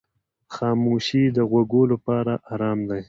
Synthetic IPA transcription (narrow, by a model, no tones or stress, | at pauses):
xɑːmoʃid̪əɣwaɡolapɑɾaʔɑɾɑmd̪aj